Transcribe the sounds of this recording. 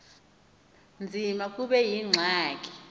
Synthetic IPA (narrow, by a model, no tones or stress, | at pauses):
nd͡zʱimak̬ʼuɓɛjiŋ͡ǀʱaːkʼi̥